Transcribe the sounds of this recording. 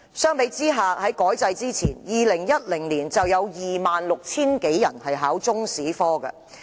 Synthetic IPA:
sœː˥ŋpe˨˥jt͡siː˥ɦaː˨hɐ˨˥jkɔː˨˥jt͡sɐ˧jt͡siː˥t͡sʰiː˨˩njiː˨lɪ˨˩ŋjɐ˥t̚lɪ˨˩ŋliː˨˩nt͡sɐ˨wjɐ˨˧wjiː˨˩maː˨nlʊ˨k̚t͡sʰiː˥nke˨˥jːɐ˨˩nhɐ˨jɦaː˨˥wt͡sʊ˥ŋsiː˨˥fɔː˥ɡɐ̰˧

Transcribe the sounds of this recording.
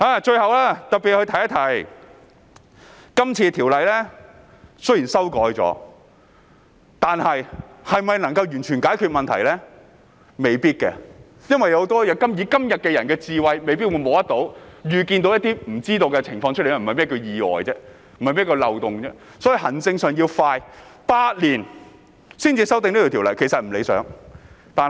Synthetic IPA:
aː˨˧˩t͡ʃɵ˧ɥhɐ˨wlaː˥t̪ɐ˨t̚pi˨t̚hɵ˧t̪ʰɐ˨˩jɐ˥t̪ʰɐ˨˩j | kɐ˥mt͡sʰiː˧t̪ʰiː˨˩wlɐ˨jlɛː˥ | sɵ˥ɥji˨˩nsɐ˥wkɔː˨˥jt͡sɔ̰ː˨˥ | t̪aː˨nhɐ˨jhɐ˨jmɐ˨jnɐ˨˩ŋkɐ˧wjyː˨˩nt͡ʃʰyː˨˩nkaː˨˥jkʰy˧t̚mɐ˨nt̪ʰɐ˨˩jlɛː˥ | me˨˧jpiː˥t̚kɛ̰˧ | jɐ˥nwɐ˨jːɐ˨˧wt̪ɔː˥jɐ˨˧t̚kɐ˥mjiː˨˥kɐ˥mjɐ˨t̚kɛ˧jɐ˨˩nkɛː˧t͡siː˧wɐ˨˧jme˨˧jpiː˥t̚wu˨˧jmo˨˧wjɐ˥t̚t̪o˨˥wjyː˨ki˧nt̪o˨˥wjɐ˥t̪iː˥m̩˨˩t͡siː˥t̪o˧wkɛ˧t͡sʰɪ˨˩ŋfɔː˧ŋt͡ʃʰɵ˥˨jm̩˨ɐ˨jmɛː˥kɵ˧jiː˨ɔ̰ː˨jt͡sɛː˥ | m̩˨˩ɐ˨jmɛː˥˩kɔ˧lɐ˨wt̪ʊ˨ŋt͡sɛː˥ | sɔː˨˥ji˧hɐ˨˩nt͡sɪ˧ŋsœː˨ŋji˧wfaː˧jpaː˧t̚liː˨˩n | siː˥nt͡siː˧sɐ˥wt̪ɪ˨˧ŋniː˥o˨˩t̪ʰːwlɐ˨jkʰe˨˩jsɐ˨t̚m̩˨˩le˨˧jsœ̰ː˨˥ŋ | t̪aː˨

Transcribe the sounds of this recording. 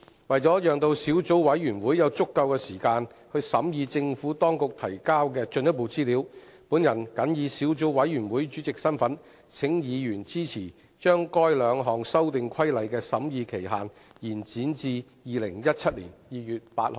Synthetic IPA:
wɐ˨jt͡sɔː˨˥jœː˨ŋt̪o˧wsiː˨˥wt͡so˨˥wwɐ˨˥jɥyː˨˩nwuː˨˥jjɐ˨˧wt͡sʊ˥kːɐ˧wkɛː˧siː˨˩kaː˧n | hɵ˧ɥsɐ˨˥mjiː˧t͡sɪ˧ŋfuː˨˥t̪ɔː˥ŋkʊ˨k̚t̪ʰɐ˨˩jkaː˥wkɛː˧t͡ʃɵ˧njɐ˥t̚po˨˧wt͡siː˥liː˨˥w | puː˨˥njɐ˨˩nkɐ˨˥njiː˨˧siː˨˥wt͡so˨˥wwɐ˨˥jy˨˩nwuː˨˥jt͡ʃy˨˥t͡sɪ˨k̚sɐ˥nfɐ˨˥n | t͡sʰɪ˨˥ŋjiː˨˧jyː˨˩nt͡siː˥t͡sʰiː˨˩ | t͡ʃœː˥ŋkɔː˥jlœː˨˧ŋɦɔː˨ŋsɐ˥wt̪ɪ˨ŋkʷʰɐ˥jlɐ˨˧jkɛː˧sɐ˨˥mjiː˧kʰe˨˩jɦaː˨n | jiː˨˩nt͡siː˨˥nt͡siː˧jiː˨˧lɪ˨˩ŋjɐ˥t̚t͡sʰɐ˥t̚lḭː˨˩njiː˨˧jyː˨t̚paː˧t̚ho˨˧w

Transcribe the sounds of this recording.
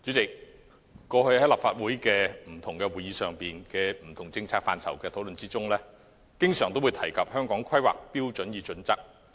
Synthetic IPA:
t͡ʃy˨˥t͡sɪ˨k̚ː | ɔː˧hɵ˧ɥhɐ˨˥jlaː˨˩pfaː˧˨t̚wuː˨˥jkɛː˧m̩˨˩t̪ʰʊ˨˩ŋkɛ˧wuː˨˩jiː˧sœː˨ŋpiː˨nkɛː˧m̩˨˩t̪ʰʊ˨˩ŋt͡sɪ˧ŋt͡sʰaː˧k̚faː˧nt͡sʰɐ̰˨˩wkɛː˧t̪ʰo˨˥wlɵ˨nt͡siː˥t͡sʊ˥ŋlɛː˥ | kɪ˥ŋsœː˨˩ŋt̪o˥wuː˨˧jt̪ʰɐ˨˩jkʰɐ˨p̚hœː˥ŋkɔː˨˥ŋkʰɐ˥jwa̰ː˨k̚piː˥wt͡sɵ˨˥njiː˨˧t͡ʃɵ˨˥nt͡sɐ˥k̚

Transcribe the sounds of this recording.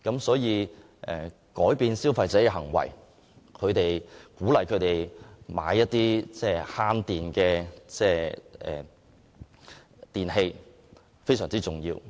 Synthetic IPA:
kɐ˨˥msɔː˨˥jiː˨˧ | ʔɛː˨˩ | kɔː˨˥jpiː˧nsiː˥wfɐ˧jt͡sɛː˨˥kɛ˧ɦɐ˨˩ŋwɐ̰˨˩j | kʰɵ˨˧ɥt̪e˨jkuː˨˥lɐ˨jkʰɵ˨˧ɥt̪e˨˩jma̰ː˨˧jːɐ˥t̚t̪iː˥t͡sɛː˥˩haː˥nt̪iː˨nkɛː˧t͡sɛː˥˩ʔɛ̰ː˨˩ | t̪iː˨˩nɦe˧j | fe˥js̬œː˨˩ŋt͡siː˥t͡sʊ˨˩ŋjiː˧w

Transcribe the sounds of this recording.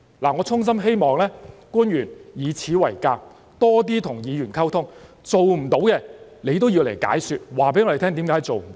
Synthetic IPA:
laː˨˩ŋɔː˨˧t͡sʰʊ˥ŋs̬ɐ˥mɦe˥jmɔː˨˩ŋlɛː˥kuː˥njyː˨˩njiː˨˧t͡sʰiː˨˥wɐ˨˩jkaː˧p̚ | t̪ɔː˥t̪̬iː˥t̪ʰʊ˨˩ŋjiː˨˧jyː˨˩nkʰɐ˥wt̪ʰʊ˥ŋ | t͡so˨wm̩˨˩t̪o˨˥wkɛ˧ne˨˧jt̪o˥wjiː˧wle˨˩jka̰ː˨˥jsyː˧t̚waː˨˩pe˨˥jŋɔː˨˧ɾe˨t̪ʰːŋt̪iː˨˥mkaː˨˥jt͡so˨wm̩˨˩˦

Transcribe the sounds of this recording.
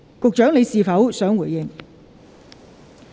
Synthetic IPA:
kʊ˨k̚t͡ʃœː˨˥ŋle˨˧jsiː˨fɐ˨˥wsœː˨˥ŋwuː˨˩jɪ˨˩ŋ

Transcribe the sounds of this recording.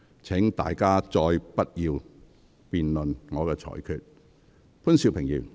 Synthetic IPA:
t͡sʰɛ˨˥ŋt̪a̰ː˨jkaː˥t͡sɔː˧jpɐ˥t̚jiː˧w | piː˨nlɵ˨nŋɔː˨˧kɛː˧t͡ʃʰɔ̰ː˨˩jkʰyː˨t̚ | pʰuː˥nsi˧wpʰɪ˨˩ŋjḭː˨˩w

